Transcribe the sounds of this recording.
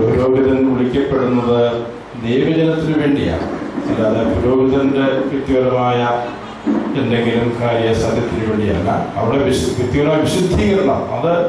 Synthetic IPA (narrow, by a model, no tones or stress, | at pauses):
puɾo̞ːɡiðɐnuɭikʲːɐpːe̞ɽunːɐðɨ | d̪e̞jʋɐd͡ʑɐnɐt̪ːilʋe̞ːɳɖija̰ːɳɨt͡ɕilɐðɨpuɾo̞ːɡiðɐnde̞kit̪ːiʋɐlɐmaːjɐ | t̪ɐndeɡiɾɐmkʰaːɾijɐsaːd̪ʱjɐt̪ːilɨʋe̞ːɳɖija̰ːɭːɐ̰ɐ̰ʋiɽeʋiɕkit̪ːjiʋɐlɐmːʋiɕud̪ʱːikːɐɾɐnɐ̰mɐðɨ